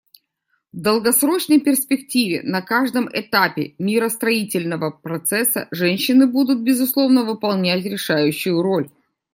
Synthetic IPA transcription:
vd̪əlˠɡɐsɾo̞t͡ɕnəjpʲɪrspʲɪk̚tʲivʲɪ̰nɐkaʐd̪əmɪ̰t̪apʲɪ̰mʲɪɾəst̪ɾɐitʲɪlʲnəvəpɾɐt̪sɛsə̰ʐɛnʲɕːɪnɨbud̪ʊt̪̚bʲɪzʊslˠo̞vnəvɨpɐlˠnʲætʲɾʲɪʂajʉɕːʊjʊɾo̞lʲ

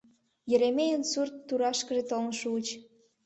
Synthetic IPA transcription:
jə̆ɾemejənsurt̪ːuɾɑʃkə̆ʒet̪olnʃut͡ɕ

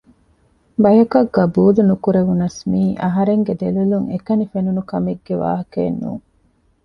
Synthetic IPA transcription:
bɐjɐkɐɡːɐbuːlunukuɾeʋunɐsmiːʔɐɦɐɾeŋɡed̪eluluŋekɐnifenunukɐmeɡːeʋa̰ːɦɐkeːnːṵːŋ

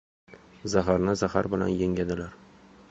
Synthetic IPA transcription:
zaɦaɾnɪzaha̰ɾbɪla̰njeŋʲad̪ɪlaɾ

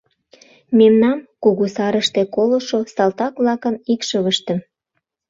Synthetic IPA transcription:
memnɑmkuɣusɑɾəʃt̪ekoloʃosɑlt̪ɑkβlɑkənikʃəβəʃt̪ə̆m

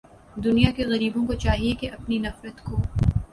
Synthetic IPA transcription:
d̪ʊnijakeɣɐɾiːbõkot͡ʃaːɦiekeʔɐpninɐfɾət̪koː

